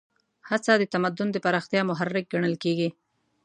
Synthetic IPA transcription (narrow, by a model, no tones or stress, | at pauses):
hat͡sad̪ət̪amad̪ʊnd̪əpaɾɑxt̪jɑmʊɦarːɪk̚ɡaɳəlkeɡi